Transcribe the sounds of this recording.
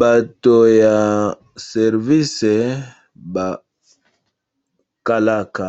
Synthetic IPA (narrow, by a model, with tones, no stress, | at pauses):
ba˨to˨ja˨ | sɛ˨ɾvi˦sɛ˨ | ba˨ | ka˨la˦˨ka˨